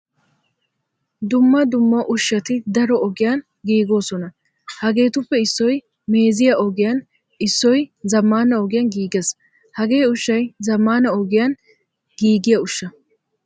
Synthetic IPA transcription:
d̪ʊmːɐd̪ʊmːɐʔʊʃːɐt̪ɪd̪ɐɾɔɔɡɪjɐn | ɡiːɡo̞ːsɔnɐ | hɐɡe̞ːt̪ʊpːɛɪsːɔj | me̞ːzɪjɐɔɡɪjɐn | ɪsːɔjzɐmːaːnɐɔɡɪjɐnɡiːɡes | hɐɡe̞ːʊʃːɐjzɐmːaːnɐɔɡɪjɐn | ɡiːɡɪjɐʊʃːɐ

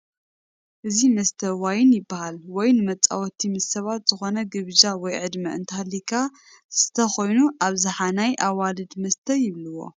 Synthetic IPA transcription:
ʔɨzimɐst̪ʰɐwajɪnjɪbːahalwɔjnɨmɐt͡sʼa̰wɔt̪ʰimɨsːɐβat̪z̥ɨxo̞nɐɡɨβd͡ʒawɔjʕɨd̪mɐʔɨ̰nt̪ʰɐhalːikʰa | sɨ̥t̪ʰɐxo̞jnuʔaβzɨħanajʔawalɨd̪mɐst̪ʰɐjɪβlɨwo̞̰

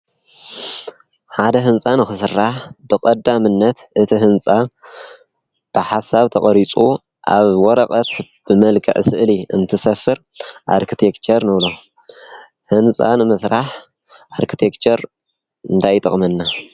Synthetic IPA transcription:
ħad̪ɐɦɨnt͡sʼanɨxɨsɨrːaħbɨkʼɐd̪ːamɨnːɐt̪ʔɨt̪ʰihɨnt͡sʼa | b̥ɨħasaβt̪ʰɐχʼɐɾit͡sʼu | ʔa̰βwɔɾɐkʼɐt̪ | b̥ɨmɐlkʰɐ̰ʕsɨʔliɨ̰nt̪ʰɨsɐfɨɾʔa̰ɾkʰit̪ʰekt͡ʃʰɐɾnɨβlo | hɨnt͡sʼa̰nɨmɐsɾaħ | ʔaɾkʰit̪ʰekt͡ʃʰɐɾ | ɨnt̪ʰajt̪ʼɨ̰χʼmɐnːa

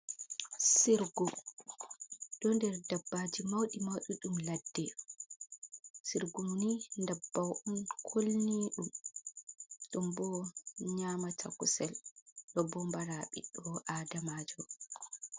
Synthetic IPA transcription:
siɾɡu | ɗɔndɛɾdabːaːd͡ʒimawɗimawɗiɗumladːɛ | siɾɡumnindabːawʔunkʰolniɗum | ɗumbɔɲaːmatʰa̰kusɛlɗɔbɔmbaɾaɓḭɗɔʔaːdamaːd͡ʒɔ

